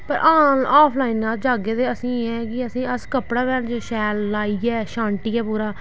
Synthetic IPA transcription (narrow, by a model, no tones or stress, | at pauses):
pəɾʔaːaːpʰlaːinːaːld͡ʒaːɡeːt̪eːəsĩːɛ̃ːkɪəsĩːəskəpɽaːʋɛːlt͡ʃʃɛːlːaːiːɡɛːʃãːɳʈiːɡɛːpuːɾaː